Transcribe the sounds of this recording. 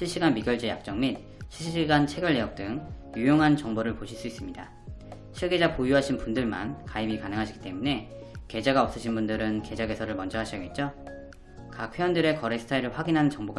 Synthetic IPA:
ɕʰiɭɕ͈iɡanmiɡjʌɭd͡ʑeja̰k̚t͡ɕ͈ʌŋmin | ɕʰiɭɕɕiɡant͡ɕʰe̞ɡjʌʎːejʌk̚t͈ɯŋjujoŋɦant͡ɕʌŋboɾɯɭpoɕʰiɭs͈uis͈ɯmɲida | ɕʰiɭɡe̞d͡ʑapojuɦaɕʰinpundɯɭma̰nkaibikanɯŋɦaɕʰiɡi̥t͈e̞mune̞ | ke̞d͡ʑaɡaʌp̚s͈ɯɕʰinbundɯɾɯnke̞d͡ʑaɡe̞sʰʌɾɯɭmʌnd͡ʑʌɦaɕʰʌɡet̚t͡ɕ͈o | kakʰeʌndɯɾe̞kʌɾesʰɯ̥tʰaiɾɯɭɸwaɡinɦanɯnt͡ɕʌŋboɡa

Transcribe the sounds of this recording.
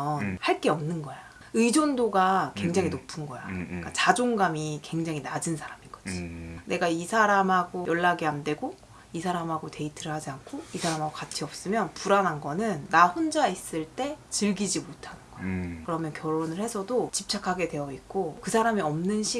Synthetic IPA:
ʌnhaɭk͈e̞ʌmnɯnɡʌja | ɯid͡ʑondoɡakwe̞ŋd͡ʑaŋinopʰɯnɡʌjak͈at͡ɕad͡ʑoŋɡamike̞ŋd͡ʑaŋinad͡ʑɯnsʰaɾamiɡʌione̞ɡaisʰaɾamɦaɡojʌɭːaɡeande̞ɡo | isʰaɾamɦaɡote̞itʰɯɾɯɭhad͡ʑiankʰoisʰaɾamɦaɡokat͡ɕʰiʌp̚s͈ɯmjʌnpuɾanɦanɡʌnɯnːaɸond͡ʑais͈ɯɭt͈e̞t͡ɕɯɭɡid͡ʑimotʰanɯnɡʌjkɯɾʌmjʌnkjʌɭːonɯɭhe̞sʰʌdot͡ɕip̚t͡ɕ͈ʰakʰaɡe̞dwe̞jʌik̚k͈okɯsʰaɾamiʌmnɯnɕʰi

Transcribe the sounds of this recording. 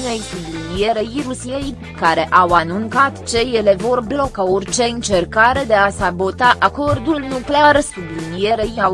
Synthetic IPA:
ne̞jsublinije̞ɾejɾusiej | kaɾe̞ʔawanuŋkat̪t͡ʃe̞je̞le̞vo̞rblo̞kaorʲt͡ʃe̞ɨnt͡ʃe̞rkaɾe̞d̪e̞asabot̪aʔako̞rd̪ulnukle̞arsublinije̞ɾejaw

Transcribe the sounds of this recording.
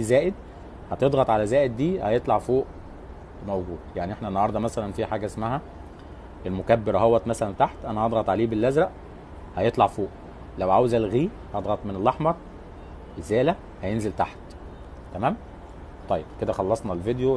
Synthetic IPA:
izæːʔed̪ | hæt̪ed̪ɣɑt̪ˤʕalæzæːʔed̪ːiːhæjet̪ˤlɑʕfoːʔ | mæwɡuːd̪jaʕniʔeħnænːɑhɑɾˤd̪ˤɑmæsælænfiːħaːɡæʔesmæɦæ | ʔelmokæbːeɾæɦowːæt̪mæsælænt̪aħt̪ʔænæhɑd̪ɣɑt̪ˤʕaliːbelːæzɾæʔ | hæjet̪ˤlɑʕfoːʔ | læwʕawzælɣiː | hɑd̪ˤɣɑt̪ˤmenelːɑħmɑɾˤ | ʔezæːlæ | hæjenzelt̪aħt̪ | t̪ːæmæːm | t̪ˤɑjːeb̥ked̪æxɑlːɑsˤnɑlved̪jo

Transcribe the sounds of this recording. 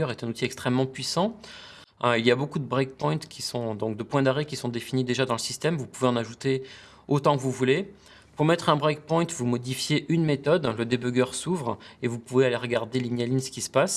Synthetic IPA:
œʁɛt̪ɛ̃nut̪iɛkst̪χɛmːɑ̃pɥisɑ̃ | ilijabokud̪əbʁɛk̚pɔj̃t̪kʲʰisɔ̃d̪ɔ̃k̚d̪əpwɛ̃d̪aʁɛkʲisɔ̃d̪efinid̪eʒad̪ɑ̃ləsist̪ɛmvupuveɑ̃naʒut̪e | ot̪ɑ̃kəvuvule | puʁmɛt̪χɛ̃bʁɛk̚pɔ̃j̃t̪vumɔd̪ifjeʔynmet̪ɔd̪ləd̪ebøɡʲœʁsuvʁevupuvealeʁəɡaʁd̪elinjalinsə̥kʲisə̥pas

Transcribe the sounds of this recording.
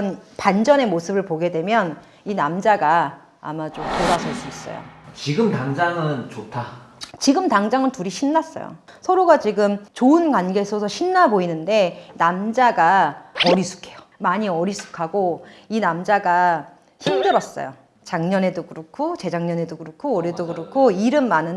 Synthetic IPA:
npand͡ʑʌne̞mosʰɯbɯɭpoɡe̞dwe̞mjʌn | inamd͡ʑaɡa̰ː | mat͡ɕompoɾasʰʌs͈uis͈ʌ̰jo̰t͡ɕiɡɯmtaŋd͡ʑaŋɯnt͡ɕotʰat͡ɕiɡɯmtaŋd͡ʑaŋɯntuɾiɕʰinːas͈ʌ̰jo̰ | sʰʌɾoɡat͡ɕiɡɯmt͡ɕoɯnkwanɡe̞sʰʌsʰʌɕʰinːaboinɯnde̞namd͡ʑaɡaʌɾisʰu̥kʰe̞jo | maɲiʌɾisʰu̥kʰaɡoinamd͡ʑaɡa | çʰimdɯɾʌs͈ʌ̰jo̰ | t͡ɕaŋɲʌne̞dokɯɾokʰot͡ɕe̞d͡ʑaŋɲʌne̞dokɯɾokʰoːɾedoɡɯɾokʰoiɾɯmːanɯn

